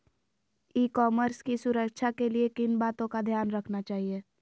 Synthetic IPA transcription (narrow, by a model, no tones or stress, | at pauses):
iːkɔːməɾskisʊɾəkʃʰakeliekɪnbaːt̪õkad̪ʱjaːnɾɐkʰnat͡ʃaːɦieː